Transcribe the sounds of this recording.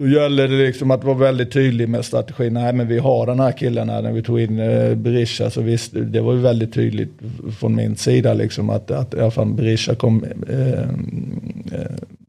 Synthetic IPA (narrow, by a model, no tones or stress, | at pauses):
d̪̥ɔjɛlːəd̪ɛlɪksɔmat̪̚d̪ɛvaɾvɛld̪ɪt̪ʰːyːd̪lɪɡmɛːd̪st̪ɾat̪ɛɧiːnnæɪmɛnvɪɦaɖɛnhæːɾkʰɪlːəna̰næ̰ɾvɪt̪ʰuːɡɪnːbɛɾɪʂːa̰sɔvɪst̪d̪ɛvaɾjɵvɛld̪ɪt̪ʰːy̰ːd̪lɪ̰ɡt̪fɾɔnmɪ̰nsiːd̪alʔɪ̰ksɔma̰t̪at̪ɪalafalbɾɪʂakʰɔmː